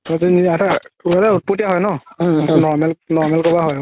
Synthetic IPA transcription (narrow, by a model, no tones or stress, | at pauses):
ɔziniataualaut̚putijaɦɔjnɔnɔɹmɛlnɔɹmɛlkɔbaɦɔj